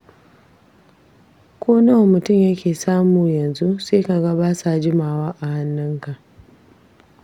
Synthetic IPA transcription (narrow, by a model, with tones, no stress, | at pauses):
kʷʰoː˦na˦wmʊ˨tʊ˦˨mjɐ˦kʲeː˨saː˦muː˨jɐ˨nzu˦seː˦ka˨ɡɐ˦baː˦sa˨d͡ʒɪ˦maː˨waː˦ʔa˨ha˦nːʊ˦ŋka˨ʔ